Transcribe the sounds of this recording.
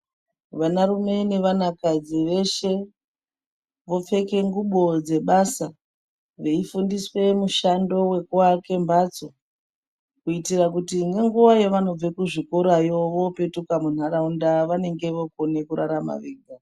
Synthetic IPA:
ʋanaɾume̞ne̞ʋanakad͡ziʋe̞ʃe̞ | ʋo̞fe̞ke̞ŋɡuɓo̞d͡ze̞ɓasa | ʋeifundiswe̞muʃando̞we̞kuwake̞mbat͡so̞ | kuitirakutiŋɡeŋɡuʋajoʋano̞b͡vekuʐikoɾajo̞ʋo̞pe̞tukamun̤aɾaundaʋane̞ŋɡe̞ʋoko̞ne̞kuɾaɾama̰ʋeːɡa

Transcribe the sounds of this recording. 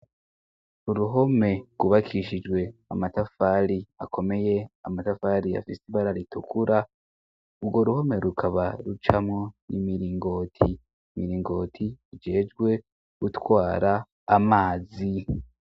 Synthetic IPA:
uɾuɦo̞me̞ɡ̥uβakʰiʃid͡ʒɡwe̞amatafaɾiakʰo̞me̞je̞amatafaːɾia̰fisiβaɾaɾitukʰuɾa | uɾɡo̞ɾuho̞me̞ɾukʰaβaɾut͡ʃamŋo̞nimiɾiːŋɡo̞tʰi | miɾiːŋɡo̞ːtʰiid͡ʒe̞ːd͡ʒɡwe̞ | ɡ̥utwaːɾaː | maːzi

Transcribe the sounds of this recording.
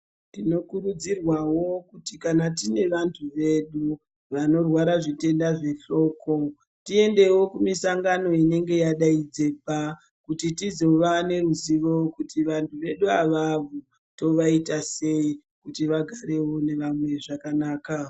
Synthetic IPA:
tino̞kurud͡zirwawo̞kutikanatine̞ʋantʰuʋe̞ɗu | ʋano̞rwaɾaʐite̞ndaʐe̞ɬo̞ːko̞ | tie̞nde̞wo̞kumisaŋɡano̞ine̞ŋɡe̞jaɗaid͡ze̞ːpa | kutitizo̞ʋane̞ɾuziʋo̞kutiʋantʰuʋe̞ɗuaʋavu | to̞ʋaitase̞i | kutiʋaɡʱaɾe̞wo̞ne̞ʋamwe̞ʐakanaːka

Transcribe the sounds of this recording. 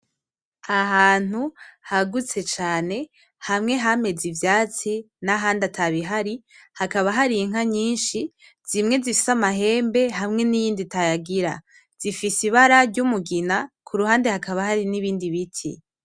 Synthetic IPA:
aɦaːn̥uhaɡut͡se̞t͡ʃaːne̞ | hamŋe̞ɦame̞zivjaːt͡si | naɦaːndatʰaβiɦaɾi | hakaβaɦaɾiiŋaɲiːnʃi | z̥imŋe̞zifi̥samaɦe̞ːmbe̞ɦamŋe̞nijiːnditajaɡiɾa̰ | z̥ifisiβaɾaɾɟumuɡinakʰuɾuɦaːnde̞hakaβaɦaɾiniβiːndiβitʰḭ

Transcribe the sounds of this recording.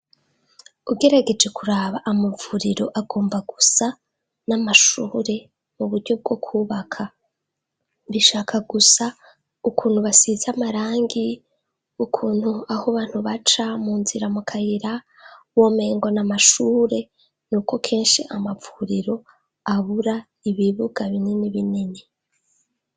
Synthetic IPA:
uɡe̞ɾaɡe̞d͡ʒe̞kuɾaːβaʔamavuːɾiɾo̞ʔaɡo̞ːmbaɡusa | namaʃuːɾe̞ | muβuɾɟo̞b̚ɡo̞kʰuːβakʰa | βiʃaːkʰaɡusa | ukuːn̥huβasizamaɾaːŋɡi | ukʰuːn̥huahoβaːn̥huβat͡ʃamuːnziɾamukʰajiɾa | woːme̞ːŋɡo̞namaʃuːɾe̞ | nuːko̞kʰe̞ːnʃḭʔamavuɾiɾo̞ | aβuɾa | iβiβuɡaβininiβinini

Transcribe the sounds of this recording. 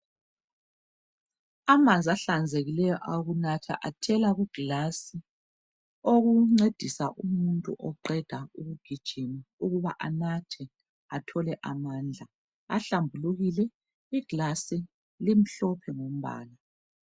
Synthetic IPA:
amand͡zʱaɬand͡zʱeɣilɛjɔʔaɣunatʰa̰ʔatʰɛlaɣuɡ̥lasi | oɣuŋ͡ǀed̥ʱisaʔumuntʼṵʔɔǃɛd̥ʱauɣuɡ̥ʱid̥ʒ̥ʱimauɣuβa̰ʔanatʰɛ | atʰɔlɛʔamand͡ɮʱa | a̰ɬambʱuluɣilɛ | iɡ̥lasi | lim̩ɬɔpʰɛŋom̩βa̰ːla

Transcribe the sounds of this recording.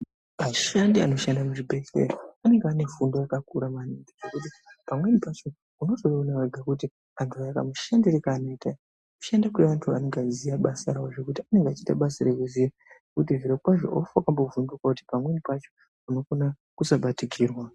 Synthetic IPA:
maʃandia̰no̞ʃandamuʐibʱe̞ɬḛrane̞ŋɡeaːne̞fundojakakuɾamaniŋɡeʐe̞kuti | pamwe̞nipat͡ʃo̞ | uno̞toreonaweɡʱakuti | antʰuajaka̰muʃandiɾekaːnoita | ku̥ʃandakueʋantʰua̰ne̞ŋɡazijaɓasaɾawoʐe̞kutiane̞ŋɡeat͡ʃitaɓasarekuziaʐekut̬iviɾekwaʐo̞̰ofuakambo̞vundukakuti̥pamwe̞nipat͡ʃo̞ | uno̞kona | kusaɓatiɡʱiːrwa

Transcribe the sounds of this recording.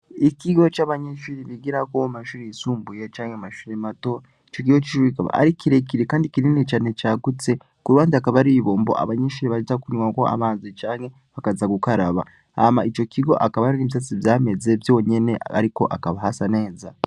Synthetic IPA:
ikiɡo̞t͡ʃaβaɲeʃuɾiβiɡiɾako̞maʃuːɾiisuːmbujet͡ʃaːŋhemaʃuːɾemato̞ | it͡ʃo̞k̬iɡo̞t͡ʃiʃuɾiikaβa̰a̰ɾikʰiɾekiɾekaːndikininet͡ʃaːne̞t͡ʃaːɡut͡se̞ | kuɾuβaːnzakaβaɾiβo̞ːmbo̞̰ʔa̰βaɲeːʃuːɾiβaʒuzakuɲuŋako̞a̰βaːnzit͡ʃaːŋhe̞ | βakazaɡukaɾaβa̰ | amait͡ʃo̞kiɡoʔakaβaɾiniːβisat͡sivjaːme̞ze̞bjo̞ːɲe̞ne̞a̰ɾiko̞ʔakaβaɦasane̞ːza

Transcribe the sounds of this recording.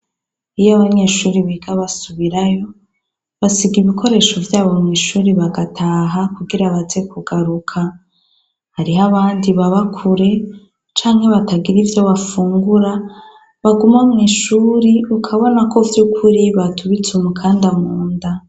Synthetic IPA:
ijaβaɲe̞ʃuːɾiβiɡaβasuβiɾajo̞ | βasiɡiβikʰo̞ɾe̞ʃo̞vjaːβo̞mŋiːʃuːɾiβaɡatʰaːɦakuɡiɾaβaze̞kuɡaɾukʰa | haɾiɦaβaːndiβaβakʰuɾe̞ | t͡ʃaːŋhe̞βataɡiɾivjo̞βafuːŋɡuɾa | βaɡumamŋiːʃuːɾiukʰaβo̞nakʰo̞vjuːkʰuɾiβatʰuβit͡sumukʰaːndamuːnda

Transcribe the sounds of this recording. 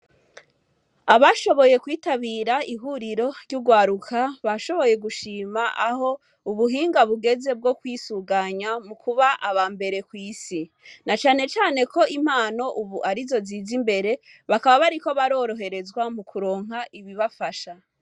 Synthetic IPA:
aβaʃo̞βo̞jekwiːtaβiːɾaiɦuɾiɾo̞ɾɟuɡwaːɾukʰaβaʃo̞βo̞je̞ɡuʃiːmaʔaho̞ | uβuɦiːŋɡaβuɡe̞ze̞b̚ɡo̞kwiːsuɡaɲamukuβaʔaβaːmbe̞ɾe̞kwiːsi | nat͡ʃaːne̞t͡ʃaːne̞kʰo̞im̥aːno̞ʔuβuʔaɾizo̞zizimbe̞ɾe̞ | βakaβaβaɾiko̞βaɾo̞ːɾo̞ɦe̞ɾe̞zɡwamukʰuɾo̞ːŋ̥ɦaʔiβiβafaʃa

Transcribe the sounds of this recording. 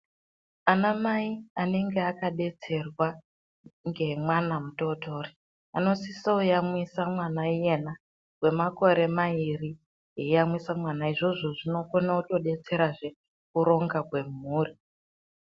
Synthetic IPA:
anamaiane̞ŋɡeakaɗe̞t͡se̞rwa | ŋɡe̞mwanamuto̞to̞ːri | a̰no̞sisoujamwisamwanaije̞na | kwe̞mako̞ɾe̞mairi | jeijamwisamwanaiʐo̞ʐo̞ʐino̞konauto̞ɗe̞t͡se̞ɾaʐe̞ | kuɾo̞ŋɡakwe̞muːri

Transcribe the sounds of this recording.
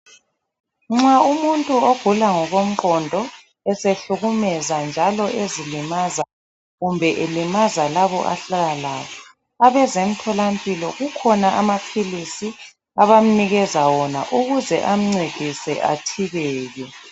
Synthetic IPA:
ŋ͡ǁaumuntʼuoɡ̥ʱulaŋɔɣom̩ǃɔndʱɔ | ɛseɬuɣumɛzand͡ʒʱalɔʔezilimaza | ɣumbʱɛʔelimazalaβɔ̰ʔa̰ɬalalaːkʰɔ | aβɛzem̩tʰɔlampʼilɔɣukʰɔnaʔamapʰilisi | aβam̩niɣɛzawɔna̰ʔuɣuzɛ̰ʔam̩ŋ͡ǀed̥ʱisɛ̰ʔa̰tʰiβɛːɣɛ

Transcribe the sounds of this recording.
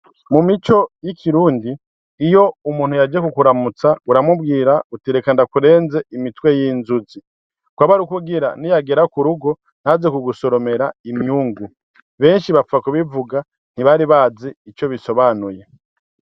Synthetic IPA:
mumit͡ʃo̞jikʰiɾuːndiː | jo̞umuːnhujad͡ʒekukuɾamut͡sauɾamub̚ɡiːɾautiɾekandakuɾe̞ːnze̞imitwe̞jiːnzuzi | kwaβaɾukuɡiɾa̰nijaɡe̞ɾakuɾuɡo̞ | n̥hazekuɡuso̞ɾo̞me̞ɾaimɲuːŋɡu | βe̞ːnʃiβafakuβivuɡa | n̥iβaɾiβaːzeit͡ʃo̞βiso̞βanuje̞

